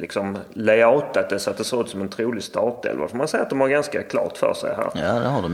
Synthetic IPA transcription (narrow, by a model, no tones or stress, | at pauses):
lɪksɔmlɛɑːt̪at̪̚d̪ɛsɔat̪̚d̪ɛsoːʉːt̪sɔmɛnt̪ʰɾuːlɪst̪ɑːt̪ɛ̰lva̰fɔɾmansɛjːat̪̚d̪ɔmhaɾɡanskakʰlɑ̰ːt̪fœ̰ʂɛ̰jɦæ̰ːɾjad̪ɛhaɖɔ